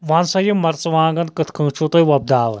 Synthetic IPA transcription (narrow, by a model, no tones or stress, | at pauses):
ʋaːnsɐjimːɐɾt͡sʋãːŋɡɐnkɨt̪ʰkʰɨ̃ːt͡ʃʰut̪ɐjʋɐb̚d̪aːʋɨ